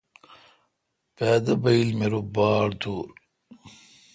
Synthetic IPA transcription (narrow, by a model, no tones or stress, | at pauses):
paːd̪ɐbɐjilmeɾubaːɽt̪uːɾ